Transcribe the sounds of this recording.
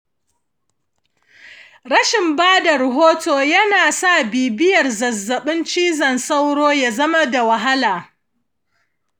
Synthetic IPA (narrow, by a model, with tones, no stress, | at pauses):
ɽɐ˦ʃɪ˨mbaː˦da˨ɾɐ˨ɦoː˦toː˨jɐ˦naː˨sa˦˨biː˨bɪ˦jɐ˨rzɐ˨zːɐ˨ɓɪ˦nt͡ʃiː˦zɐ˨nsa˦wɽoː˦ja˨zɐ˦ma˦da˨wɐ˨ɦa˦laː˨